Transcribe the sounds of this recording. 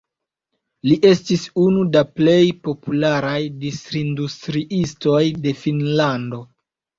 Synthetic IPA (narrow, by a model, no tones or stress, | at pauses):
liʔe̞stisunudaple̞jpo̞pulaɾajdistɾindustɾiʔisto̞jde̞finlando̞